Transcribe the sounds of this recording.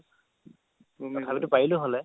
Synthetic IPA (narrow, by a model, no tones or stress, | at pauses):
bʱabitʊpailʊɦɔlɛ